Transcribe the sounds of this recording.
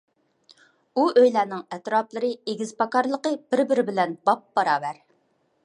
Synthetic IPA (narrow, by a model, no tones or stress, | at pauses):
uʔøjlæːnɪŋɛt̪ɾɑplˠɨɾɨeɡʲiz̥pɑkɑɾlˠəqəbɪɾbɪɾɪbɪlɛnbɑp̚bɑɾɑːbæɾ